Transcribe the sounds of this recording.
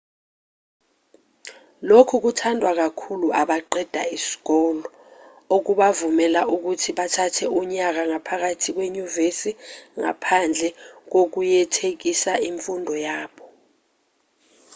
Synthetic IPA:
lokʰuk̬utʰandʱwak̬akʰuluʔaɓaǃɛd̥ʱaisi̥k̬ɔːlɔ | ok̬uɓavumɛlaʔuk̬utʰiɓatʰatʰɛuɲak̬aŋapʰak̬atʰik̬weɲuvesiŋa̰pʰand͡ɮʱɛk̬ok̬ujɛtʰek̬isaiɱfundʱɔjaːɓɔ

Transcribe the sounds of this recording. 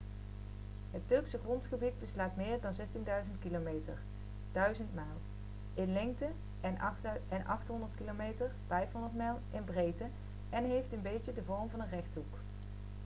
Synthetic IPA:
ɦətːʏɹksəχrɔntχəbid̚bəslaːtmɪːɹdɑnzɛstindœɥzəntkilomejtə̰ɹ | d̥œɥzəntmaːlˠ | ɪnlɪŋk̚tə | ʔɛnɛnʔɑχtɦɔndəɹtkilomejtəɹv̥ɛjfɦɔndəɹtmɛːlˠʔɪnbrejtə | ɛnɦejftənbejcədəvɔɹmvɑnənrɛχtɦuk

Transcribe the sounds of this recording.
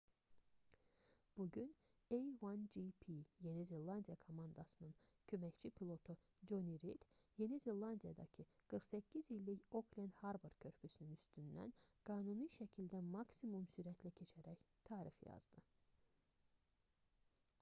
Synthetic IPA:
b̥uɟyn | ejwɑnd͡ʒipʰije̞nizelːˠɑnd̪ijɑkʰo̞mɑnd̪ɑsɯnɯncʰø̞mæct͡ʃʰipʰilˠo̞t̪ʰu | d͡ʒoniɾid̪̥je̞nizelˠɑnd̪ijɑd̪ɑ̰cʰɯɡ̥ɯɾxsæcʰːizilːiço̞kʰlʲend̪hɑɾboɾcʰø̞ɾpʰysynynyst̪ynd̪æ̰nɡ̥ɑːnuniʃæcʰild̪æmɑksimumsyɾæt̪ʰlæcʰe̞t͡ʃʰæɾæç | t̪ʰɑːɾixjɑ̰zd̪ɯ

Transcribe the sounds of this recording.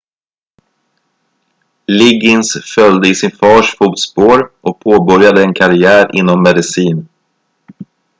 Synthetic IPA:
lɪɡɪnsfœld̪əɪsɪnfɑːʂfuːt̪spoːɾʔɔk̚pʰoːbœɾjad̪əɛnkʰaɾɪæːɾʔɪ̰nːɔmːɛd̪ɪsiːn

